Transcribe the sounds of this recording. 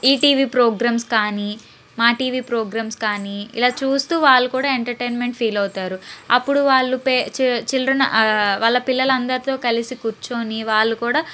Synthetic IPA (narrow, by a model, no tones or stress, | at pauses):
iːʈiːʋiːpɾoːɡɾaːmskaːniː | maːʈiːʋiːpɾoːɡɾaːmskaːniːḭlaːt͡ʃuːst̪uːʋaːɭːukuːɽaːeɳʈɐɾʈeːnmeɳʈpʰiːlɐwut̪aːɾuɐpːuɽuʋaːɭːupet͡ʃt͡ʃilɾɐnɐ̰ʋaːɭːɐpilːɐlɐnd̪ɐɾit̪o̞ːkɐlisikuɾt͡ʃoːniʋaːɭːukuːɽaː